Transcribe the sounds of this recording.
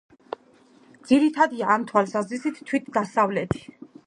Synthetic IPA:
d̪z̥iɾit̪ʰad̪iaːmt̪ʰwalsazɾisit̪ʰt̪ʰːwit̪ʰd̪asavlɛt̪ʰi̥

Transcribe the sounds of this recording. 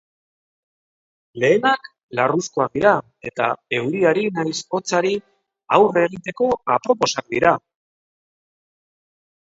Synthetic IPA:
le̞ːnak | larusko̞ak̚d̪iɾa | e̞t̪a̰e̞wɾiaɾinajso̞t͡saɾi | awre̞ɣ̞it̪e̞ko̞apɾo̞po̞sak̚d̪iɾa

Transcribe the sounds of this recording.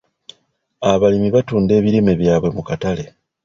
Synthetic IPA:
aβalimiβatuːnde̞ːβiɾimeβjaːβwe̞mukatale̞

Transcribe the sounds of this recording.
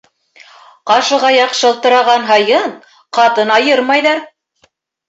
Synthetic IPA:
qɑʃɤ̆ʁɑjɑqʃɤ̆lˠt̪ɤ̆ɾɑʁɑnɦɤ̆jɤɴ | qɑt̪ɤnɑjɤɾmɑjðɑɾ

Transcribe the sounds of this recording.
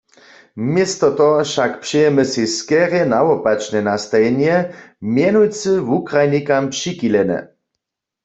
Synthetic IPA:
mjɛst̪ɔt̪ɔʃakpʃɛjɛməsiskɛʁjɛnawɔpat͡ʃnɛnast̪ajɛnjɛmjɛnujt͡sɨvukʁajnikampʂikilɛnɛ̰

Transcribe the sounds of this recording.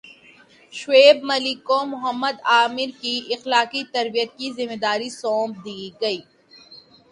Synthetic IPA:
ʃweːbmɐlɪkːomʊɦəmːəd̪aːmɪɾkiɪxlaːqit̪ɐɾbijət̪̚kizɪmed̪aːɾisɔːmb̚d̪iːɡɐiː

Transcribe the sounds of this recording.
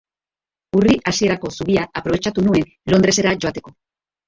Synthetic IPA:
uriʔasje̞ɾakosuβiaapɾo̞βet͡ʃat̪unue | lo̞nd̪ɾeseɾaʝoat̪e̞ko

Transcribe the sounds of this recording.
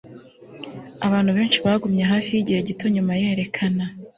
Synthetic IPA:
aβaːn̥huβe̞ːnt͡ʃiβaɡumɲeɦaːfijiɟiheɟito̞ɲumajeːɾe̞kʰana

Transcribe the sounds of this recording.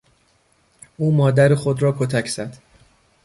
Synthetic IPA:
ʔuːmɒːd̪æɾexod̪ɾɒːkʰot̪ʰæcʰz̥æd̪̥

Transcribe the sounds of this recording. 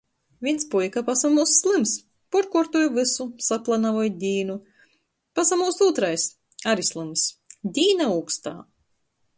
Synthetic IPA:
vʲinspujkapasamuːsːlˠɨms | puɾkuɾt̪ujvɨsusaplˠanavɔjd̪ʲiːnu | pasamuːsuːt̪ɾajs | aɾislˠɨmsd̪ʲiːnaukst̪a̰ː

